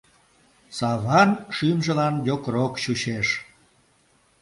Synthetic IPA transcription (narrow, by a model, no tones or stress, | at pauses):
sɑβɑnʃymʒəlɑnjʲokɾokɕuɕeʃ